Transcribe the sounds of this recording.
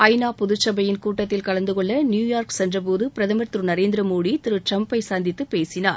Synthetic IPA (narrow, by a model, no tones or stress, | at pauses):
ɐɪnaːpʊðʊt͡ʃːɐbɐjɪnkuːʈːɐt̪ːɪlkɐɭɐnd̪ɯkɔɭːɐnjuːjaːɾksɛndrɐp̬oːðɯpɪɾɐðɐmɐɾt̪ɾɯnɐɾeːnd̪ɪɾɐmoːɽit̪ɪɾɯt͡ʃɐmpːɐɪsaːnd̪ɪt̪ːɯpeːsɪnaːɾ